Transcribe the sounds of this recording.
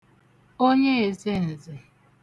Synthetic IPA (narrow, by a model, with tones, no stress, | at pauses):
o˦ɲe˦e˨ze˦n̩˨zɪ˨